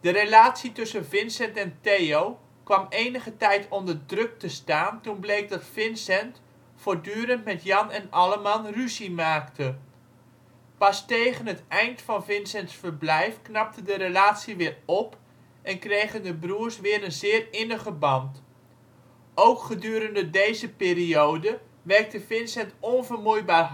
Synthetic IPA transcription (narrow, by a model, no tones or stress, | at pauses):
d̥əɾelaːtsitɵsənvɪnsɛntɛntejow | kʋɑmejnəχətɛjtɔndərdrɵk̚təstaːntunblejk̚dɑtfɪnsɛnt | foːɹdyːɾəntmɛtjɑnɛnɑləmɑnryzimaːktʰə | pɑstejχənɦətɛjntfɑnvɪnsɛntsfərblɛjfknɑp̚tədəɾəlaːtsiʋɪːrɔp | ʔɛnkrejχəndəbruːəɹsʋɪːɾənzɪːrɪnəχəbɑnt | owkχədyːɾəndədejzəpɪːriowdə | ʋɛrk̚təfɪnsɛntɔnvərmujbaːr